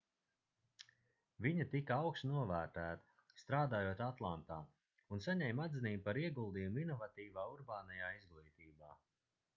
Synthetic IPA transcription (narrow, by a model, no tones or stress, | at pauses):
viɲɐt̪ikaawkst̪nuɔvæːɾt̪æːt̪ɐ̥ | st̪ɾaːd̪aːjoːt̪at̪lˠant̪aː | unsaɲɛjmad̪ziniːbpaɾiɛɡulˠd̪iːjuminɔvat̪iːvaːuɾbaːnajaːizɡlˠiːt̪iːbaː